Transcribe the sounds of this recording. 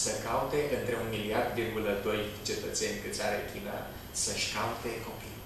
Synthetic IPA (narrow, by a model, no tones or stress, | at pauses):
səkaut̪e̞ʔɨnt̪ɾe̞unmiliard̪virɡuləd̪o̞jt͡ʃe̞t̪ət̪se̞nʲkɨt̪sʲaɾekʰʲina | səʃkaut̪e̞ko̞pi